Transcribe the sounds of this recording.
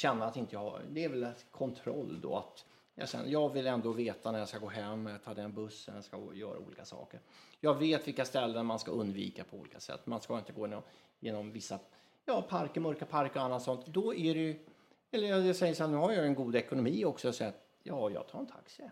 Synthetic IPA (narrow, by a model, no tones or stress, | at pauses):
ɕɛnːaat̪ɪnt̪əjɑha̰d̪ɛːɾvɛlɛkʰɔnt̪ʰɾɔ̰lːd̪ɔ̰a̰t̪ | jɑ̰ɕɛ̰n̰jɑːɡvɪlɛnd̪oːveːt̪anæɾjɑskaɡoːɦɛmːɛjɑt̪ʰɑːd̪ɛnbɵsːə̰njɑskajœːɾʔa̰ṵːliːkasɑ̰ːkəɾjɑːɡveːt̪vɪlkast̪ɛlːənmanska̰ɵnd̪vḭːkapʰɔṵːlḭːkasɛ̰t̪ːmanskɑːɪnt̪əɡoːnɔ | jeːnɔmvɪsːa | jɑːpʰaɾkəɾmœɾkapʰaɾkɔanːat̪sɔnt̪d̪ɔæɖɛj | ɛlːəjɑjɑsɛjəʂannʉ̟ːhaɾjaɛnɡuːd̪ɛkʊnʊmiːɔksɔjɔsɛjːɾat̪ | jɑːjɑ̰ɡt̪ʰɑːɾɛnt̪ʰa̰ksɪ